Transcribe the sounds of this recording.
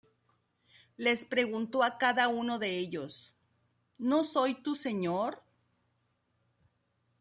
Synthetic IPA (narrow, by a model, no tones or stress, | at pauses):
le̞spɾe̞ɣunt̪o̞akaðauno̞ðe̞eʎo̞s | no̞so̞jt̪use̞ɲoɾ